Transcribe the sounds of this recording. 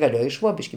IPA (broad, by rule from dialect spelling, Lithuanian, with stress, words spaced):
ɡɐˈlʲeːjoː ɪ ˈʃʋoːbʲɪʃʲkʲɪ